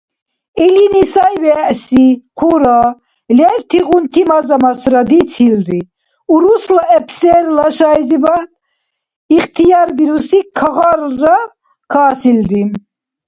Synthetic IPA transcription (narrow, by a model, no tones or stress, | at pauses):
ɛlinisajvɛʔsiqʰuɾa | lɛɾt̪ʰiɣunt̪ʰimazamasɾad̪it͡sʰilɾi | uɾuslaɛpʰsɛɾlaʃajziba | iχt̪ʰijaɾbiɾusikʰaɣaɾːa | kʰaːsilɾim